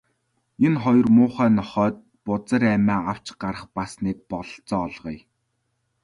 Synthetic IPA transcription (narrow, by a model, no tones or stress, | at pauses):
enχɔjɞ̆rmʊːχæːnɔχœːt̪̚ | pʊt͡sə̆ɾæmæːaw̥t͡ɕɢaɾə̆χpasniːk̚pɔɮɞ̆ɬt͡sɔːɮʁij